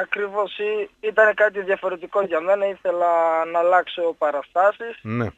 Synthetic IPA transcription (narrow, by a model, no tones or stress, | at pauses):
ɐkɾivo̞siit̪ɐne̞kɐt̪̬iðjɐfo̞ɾe̞t̪iko̞ʝɐme̞nɐiθe̞lɐnɐlɐkso̞pɐɾɐst̪ɐsisnḛ